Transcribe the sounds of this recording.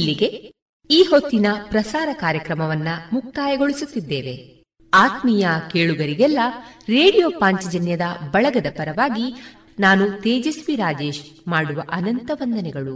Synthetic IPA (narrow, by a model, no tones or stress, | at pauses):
ilːiɡe̞ | iːho̞t̪ːinɐpɾɐsaːɾɐkaːɾjɐkɾɐmɐʋɐnːɐmuk̚t̪aːjɐɡo̞ɭisut̪ːid̪ːeːʋe̞ | aːt̪mijɐkeːɭuɡɐɾiɡɛlːɐɾeːɽijo̞ːpaːɲt͡ʃɐd͡ʒɐnjɐd̪ɐbɐɭɐɡɐd̪ɐpɐɾɐʋaːɡi | naːnut̪eːd͡ʒesʋiɾaːd͡ʒe̞ːʃmaːɽuʋɐʔɐnɐnt̪ɐʋɐnd̪ɐnɛɡɐɭu